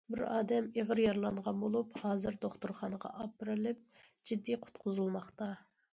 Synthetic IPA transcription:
bɪɾɑːd̪ɛmeʁəɾjɑɾlˠɑɴʁɑnbolˠuphɑːzɨɾd̪oχt̪uɾχɑnəʁɑ̰ʔɑpɨɾɨlˠɪp̚ | d͡ʒid̪ːiqʰʊ̥t̪qʰʊzulˠmɑχt̪ɑ

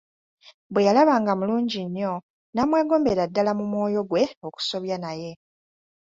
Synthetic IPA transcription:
bwe̞jalaβaːŋɡamuluːɲɟiɲːo̞ | namwe̞ːɡo̞ːmbe̞ɾadːalamumwo̞ːjo̞ɡwe̞o̞ku̥so̞βjanaje̞

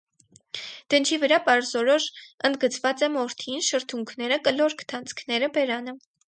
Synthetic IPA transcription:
d̪̥ənt͡ʃʰivəɾɑpɑɾzɔɾɔʃənd̪̚ɡət͡sʰvɑt͡sɛmɔɾt̪ʰinʃəɾt̪ʰuŋkʰnɛɾəkəlɔɾkʰt̪ʰɑnt͡sʰkʰnɛɾəbɛɾɑnə

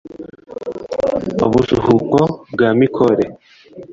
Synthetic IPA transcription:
oβuzuhukobɡaːmikʰoɾe

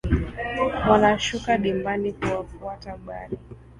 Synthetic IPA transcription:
wanaʃukaɗimbanikuwafuataɓa̰ɾi

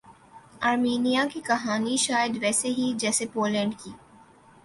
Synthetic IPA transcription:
aːɾmiːnijakikɐɦaːniʃaːjəd̪ʋɛːseɦid͡ʒɛːsepoːlɛ̃ːɳɖkiː

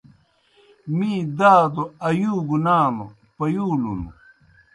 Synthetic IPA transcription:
mĩd̪aːd̪oɐjuːɡunaːlo | pɐjuːlṵnṵ

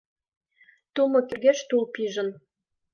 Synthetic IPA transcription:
t̪umɤ̆kʲy̆rɣeʃt̪ulpiʒə̆n

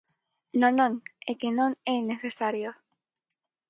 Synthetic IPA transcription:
nõnõŋekenõŋeneθesaɾjo

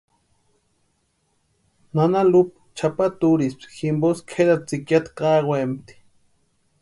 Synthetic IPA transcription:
nanalup | t͡ʃʰapat̪uɾispximboskʰed̪at͡sikjat̪qɑɣwemt̪i̥

